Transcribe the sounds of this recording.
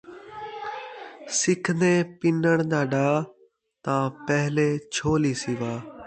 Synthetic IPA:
sɪkʰneːpɪnəɳd̪aːɖaː | t̪ãːpɛːɦleːt͡ʃʰoːliːsiʋaː

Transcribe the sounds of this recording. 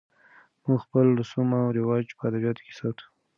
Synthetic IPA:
muɡxpəld̪əsumawɾɪwɑd͡ʒpəad̪abjɑt̪o̥ke̥sɑt̪u̥

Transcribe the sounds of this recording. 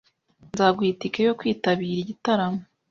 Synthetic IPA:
nzaːbɡwiːtikejo̞kwiːtaβiːɾiɟitaɾamo

